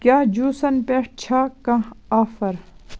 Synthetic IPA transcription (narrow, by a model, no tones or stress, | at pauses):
kʲjaːd͡ʑuːsɐnpeʈt͡ɕʰaːkɐ̃aːfɐɾ